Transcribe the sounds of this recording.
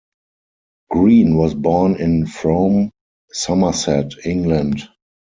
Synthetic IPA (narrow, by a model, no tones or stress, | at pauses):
ɡ̥ɹĩːnwɔsbɔːnɪ̃nfɹõʊ̃m | saməsɛtɪ̃ŋɡlə̃nt